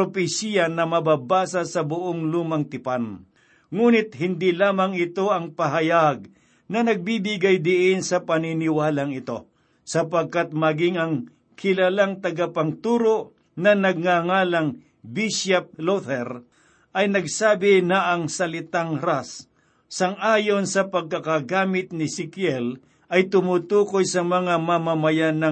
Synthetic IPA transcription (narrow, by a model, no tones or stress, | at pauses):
popɪsijanɐmɐbaːbaːsasɐbʊʔoŋluːmɐŋt̪ɪpan | ŋuːnɪt̪̚hɪnd̪ilaːmɐŋɪt̪o̞ʔɐŋpɐɦajaɡ̚ | nɐnɐɡ̚bibɪɡajd̪ɪʔɪnsɐpɐninɪwaːlaŋɪt̪o̞ | sɐpɐɡ̚kat̪̚mɐɡɪŋɐŋ | kʰɪlalaŋt̪ɐɡapɐŋt̪uːɾoʔ | nɐnɐɡ̚ŋaŋaːlaŋ | biʃap̚lot̪ɛɾ | ʔɐjnɐɡsaːbɪnɐʔɐŋsɐlɪt̪aŋɾasː | ɐŋʔaːjonsɐpɐɡ̚kɐkaɡaːmɪt̪̚nɪsɪkjɛl | ʔɐjt̪ʊmut̪uːkojsɐmɐŋamamamajanɐ